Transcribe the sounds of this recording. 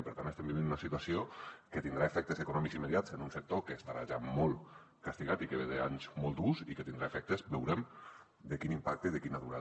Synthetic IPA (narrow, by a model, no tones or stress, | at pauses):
pəɾt̪anest̪embiβind̪unasit̪uwasiokət̪ind̪ɾaefɛk̚t̪ezekunɔmikzimeðjatt͡senunsək̚t̪okeːst̪aɾaʒamɔlˠt̪ | kast̪iɣat̪ikeβeðeaɲzmɔlˠt̪uziket̪ind̪ɾaefɛk̚t̪ezbewɾem | d̪əkinimpak̚t̪eiðekinaðuɾa̰